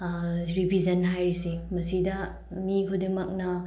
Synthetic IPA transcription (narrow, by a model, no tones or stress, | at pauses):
ɾipizɐnɦajɾisemɐsidɐ | mikʰodemɐk̚nɐ